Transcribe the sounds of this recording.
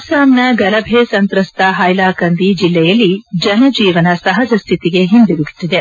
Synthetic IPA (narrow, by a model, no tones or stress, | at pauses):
saːmnɐɡɐlɐbʱeːsɐnt̪ɾɐst̪ɐɦɐjlaːkɐnd̪id͡ʒilːɛjɐlːid͡ʒɐnɐd͡ʒiːʋɐnɐsɐɦɐd͡ʒɐst̪ʰit̪iɡe̞ɦind̪uɡut̪ːid̪e